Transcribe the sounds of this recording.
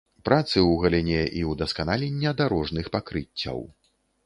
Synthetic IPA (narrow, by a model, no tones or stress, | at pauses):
pɾʔat̪sɨwɣɐlʲinʲɛʔiwd̪ɐskanalʲinʲːɛd̪aɾɔʐnɨxpakɾɨt͡sʲːɐ̰w